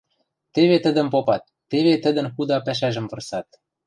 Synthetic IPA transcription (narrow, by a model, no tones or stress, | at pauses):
t̪eβet̪ə̆d̪ə̆mpopɑt̪ːeβet̪ə̆d̪ə̆nxud̪ɑpæʃ̬æʒə̆mvɤ̆rsɑt̪̚